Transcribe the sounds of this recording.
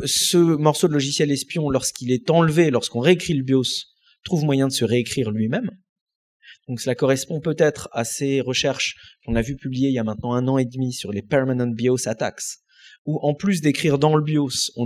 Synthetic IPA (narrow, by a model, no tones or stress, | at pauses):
səmɔʁsod̪əlɔʒisjɛlɛspjɔ̃lɔʁskʲilɛt̪ɑ̃lvelɔʁskɔ̃ʁeːkχiləbjos | t̪χuvmwajɛ̃d̪əsəʁeːkχiʁlɥimɛm | d̪̥ɔ̃ksəlakɔʁɛspɔ̃pøt̪ɛt̪χaseʁəʃɛʁʃkɔ̃navypyblijeiljamɛ̃t̪nɑ̃ɛ̃nɑ̃ed̪misyʁlepɛʁmanɑ̃t̪̚bjosat̪a̰ks | uʔɑ̃plys̬d̪ekχiʁd̪ɑ̃ləbjosɔ̃